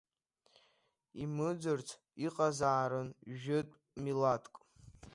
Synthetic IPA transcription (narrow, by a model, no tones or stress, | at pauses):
imɨd͡zɨrt͡sʰ | iqʼazaːɾɨnʒɪtʼ | milatʰkʼ